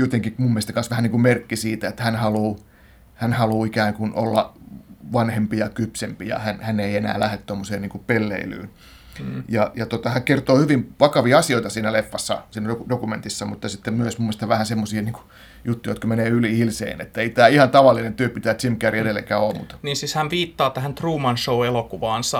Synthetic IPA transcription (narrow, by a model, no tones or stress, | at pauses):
jot̪eŋkimumːest̪ɑ̥kɑnsʋæhæniːŋkummerkːisiːt̪æet̪hænhɑluː | hænhɑluːikæːŋkunʔo̰lːɑʋɑnhempijɑkypsempijɑ̰hænhænːeienæ̰ːlæhet̪t̪omːoseːnniːŋkupelːḛily̰ːn | jɑjɑt̪ot̪ɑhæŋkert̪oːhyʋimʋɑkɑʋiɑɑsioit̪ɑsiːnælefːɑsːɑ̰siːnæodokument̪isːɑmut̪ːɑsit̪ːemmyøsmumːest̪ɑʋæhænsemːosiːniːŋku̥ | jut̪ːujot̪kɑmeneːylihilsḛːnḛt̪ːæeit̪æːihɑnt̪ɑʋɑlːinent̪yøpit̪æːt̪simkæriedelːḛkæːoːmmṵt̪niːnsishænʋiːt̪ːɑːt̪æhænt̪ruːmɑnʃouelokuʋɑːnsɑ